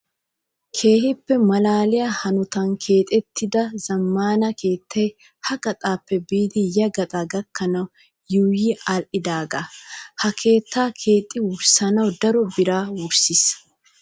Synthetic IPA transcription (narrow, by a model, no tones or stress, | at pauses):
kʰe̞ːhɪpːɛmɐlaːlɪjahɐnʊt̪ɐnkʰe̞ːt̪ʼɛt̪ːɪd̪ɐzɐmːaːnɐkʰe̞ːt̪ːɐj | hɐɡɐt̪ʼaːpːɛbiːd̪ɪjɐɡɐt̪ʼaɡɐkːɐnɐw | juːjiːɐlʔɪd̪aːɡaːhɐkʰe̞ːt̪ːaːkʰe̞ːt̪ʼːɪwʊɾsɐnɐwd̪ɐɾɔbɪɾaːwʊɾsɪs